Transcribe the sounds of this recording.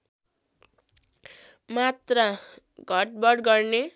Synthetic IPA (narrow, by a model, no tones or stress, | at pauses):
mat̪ra | ɡʱʌʈ̚bʌɽɡʌrne